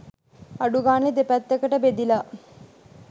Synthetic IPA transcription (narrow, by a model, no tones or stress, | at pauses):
aɖuɡaːned̪epæt̪ːəkəʈəbed̪ila